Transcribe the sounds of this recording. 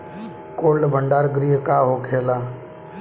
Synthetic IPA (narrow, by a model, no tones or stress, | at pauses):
koːlɖbʱəɳɖaːɾɡɾiːɦkaːɦoːkʰeːlaː